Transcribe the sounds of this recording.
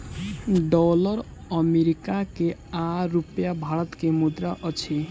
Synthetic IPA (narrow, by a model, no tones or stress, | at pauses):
ɖɔlʌɾ | əmeɾikakeaɾupjabʱaɾʌt̪kemud̪ɾaʔʌt͡ʃʰi